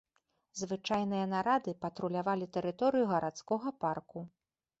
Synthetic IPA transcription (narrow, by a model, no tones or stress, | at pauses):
zvɨt͡ʂajn̪ɨjɐnaɾad̪ɨpɐt̪ɾulʲavalʲit̪ɛɾɨt̪ɔɾɨjuɣɐɾʔat̪skɔɣɐparku